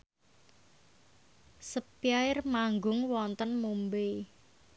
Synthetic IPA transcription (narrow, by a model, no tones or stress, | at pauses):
səpiaɪrmaŋɡʊŋwɔnt̪ənmumbe